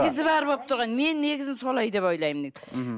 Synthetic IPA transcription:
ɡʲɪzɪbɑɾbop̚t̪ʰʊɾʁɑnme̞nːe̞ɡʲɪzɪnsolˠɑjd̪e̞pojlˠɑjmne

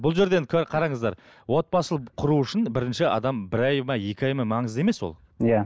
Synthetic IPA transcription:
bʊlˠʒe̞ɾd̪enkʲʰɵɾqʰɑɾɑɴəzd̪ɑɾ | wo̞t̪̚pɑsəlˠəqʰʊɾuʏʃɪnbɪɾɪnʃɪɑ̰d̪ɑmbɪɾɑjmɑje̞kʲɪɑjmɑmɑɴəze̞me̞swo̞̰lˠ | ja

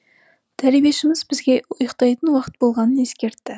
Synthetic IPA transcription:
d̪̥ʰæɾebe̞ʃɪmɪzbɪzɡʲe̞ʊjəqt̪ɑjt̪ənwɑqət̪̚bo̞lˠʁɑnəne̞skʲe̞ɾt̪ːɪ

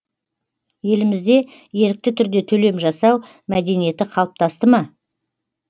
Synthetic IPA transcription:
je̞lɪmɪzd̪e̞ | je̞ɾɪk̚t̪ɪt̪ʰʏɾd̪e̞t̪ʰɵle̞mʒɑsɑw | mæd̪e̞nije̞t̪ɪqʰɑlˠəp̚t̪ʰɑst̪əmɑ

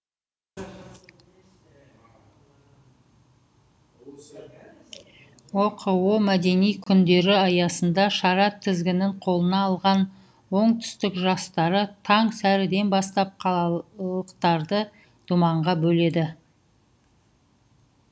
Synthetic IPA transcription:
woqʰəwomæd̪e̞nijkʲʰʏnd̪e̞ɾɪɑjɑsənd̪ɑʃɑɾɑt̪ʰːɪzɡʲɪnɪŋqʰo̞lˠənɑːlˠʁɑn | wo̞ɴt̪ʰʏ̥st̪ɪkʒɑst̪ɑɾət̪ʰɑɴsæɾɪd̪e̞nbɑst̪ɑp̚qʰɑlˠəqt̪ɑɾd̪ə | d̪̥umɑɴʁɑbɵle̞d̪ɪ

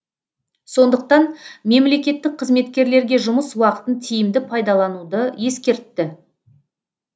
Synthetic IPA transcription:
so̞nd̪əq̚t̪ɑnme̞mle̞kʲe̞t̪ːɪk̚qʰəzme̞t̪kʲe̞ɾle̞ɾɡʲe̞ʒʊməswɑqə̥t̪ənt̪ʰijɪmd̪ɪpʰɑjd̪ɑlˠɑnud̪əje̞skʲe̞ɾt̪ːɪ

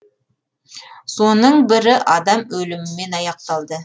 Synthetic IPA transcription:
so̞nəɴbɪɾɪʔɑd̪ɑmɵlɪmɪme̞nɑjɑq̚t̪ɑlˠd̪ə

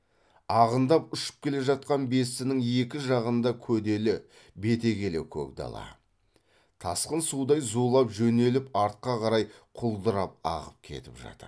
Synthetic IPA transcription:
ɑʁənd̪ɑpʏʃɪ̥p̚kʲʰe̞le̞ʒɑt̪̚qɑnbe̞sɪnɪŋe̞kʲɪʒɑʁənd̪ɑkʲʰɵd̪e̞lɪ | be̞t̪e̞kʲe̞lewkʲʰɵ̰kd̪ɑ̰lˠɑ̰ | t̪ʰɑsqənsud̪ɑjzulˠɑpʒɵne̞lɪpɑɾt̪̚qɑqʰɑɾɑjqʰʊlˠd̪əɾɑp̚ɑ̰ʁəp̚kʲʰe̞̰t̪ɪpʒɑ̰t̪ə̰ɾ

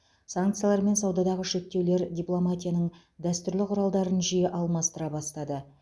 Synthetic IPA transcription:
saŋkt̪sɨjalˠɑɾme̞nsɑwd̪ɑd̪ɑʁəʃe̞k̚t̪ːe̞wle̞ɾdʲiplˠo̞mat̪ʲijanəɴ | d̪æst̪ʏɾlɪqʰʊɾɑlˠd̪ɑɾənʒijeʔɑlˠmɑst̪əɾɑbɑst̪ɑd̪ə

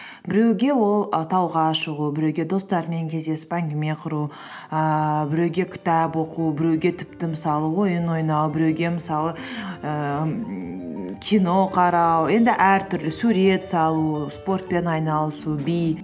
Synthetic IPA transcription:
bɪɾe̞wɡʲe̞wo̞lˠət̪ʰɑwʁɑʃəʁubɪɾewɡʲe̞d̪o̞st̪ɑɾme̞ŋkʲʰe̞zd̪e̞sɪ̥pæŋɡʲɪme̞qʰʊɾu | əbɪɾe̞wɡʲe̞kʲʰɪ̥t̪ɑpwo̞qubɪɾewɡʲe̞t̪ʰɪ̥pt̪ɪmɪsɑlˠəwo̞jənwo̞jnɑwbɪɾe̞wɡʲe̞mɪsɑlˠəə | kʲʰijno̞qʰɑɾɑwje̞nd̪ɪʔæɾt̪ʰʏɾlɪsuɾe̞t̪sɑlˠuspo̞rt̪̚pe̞nɑjnɑlˠəsubij

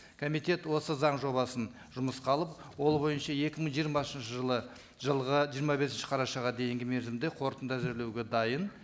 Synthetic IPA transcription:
kʰo̞mijt̪e̞t̪wo̞səzɑɴʒo̞βɑsən | ʒʊməsqʰɑlˠəp̚wo̞lˠbo̞jənʃɑje̞kʲɪməɴʒijəɾmɑsənʃəʒəlˠə | ʒəlˠʁəʒijəɾmɑbe̞sɪnʃɪ̥qʰɑɾɑʃɑʁɑd̪e̞jɪŋɡʲɪmeɾzɪmd̪e̞qʰo̞ɾt̪ənd̪æzɪɾle̞wɡʲe̞d̪ɑjən

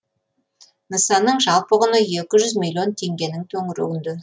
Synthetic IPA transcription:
nəsɑnːəɴʒɑlˠpəʁʊnəje̞kʲɪʒʏzmʲilʲːjo̞nt̪ʰe̞ŋɡʲe̞nɪŋt̪ʰɵŋɪɾɪ̰ɪnd̪ɪ

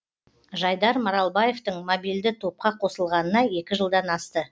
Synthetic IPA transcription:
ʒɑjd̪ɑɾmɑɾɑlˠbɑje̞ft̪əɴmobild̪ɪt̪ʰo̞p̚qɑqʰo̞səlˠʁɑnənɑje̞kʲɪʒəlˠd̪ɑnɑst̪ə

